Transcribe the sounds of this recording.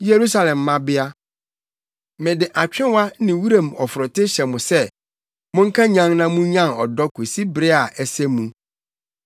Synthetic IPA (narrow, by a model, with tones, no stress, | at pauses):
je˨ɾu˦sa˦lɛ̃˨mːã˦bɪ˦a˦ | mɪ̃˨dɪ˨ʔa˨t͡ɕᶣɪ̃˦wa˦nɪ̃˨wu˦ɾẽ˨m˨ɔ˨fʊ˨ɾɔ˨tɪ˦ɕɛ˨mʊ̃˨sɛ˦ | mʊ̃˦ŋ̩˦kʰã˦ɲã˦ŋnã˦mũ˦ɲã˦˨nɔ˨dɔ˦kʰu˨si˦bɾɪ˦a˨ʔɛ˨sɛ˦mũ˨